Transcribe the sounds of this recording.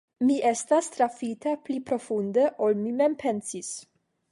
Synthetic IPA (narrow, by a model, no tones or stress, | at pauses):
miʔe̞stast̪ɾafitaplipɾo̞fundeʔolmime̞mpʰe̞nsis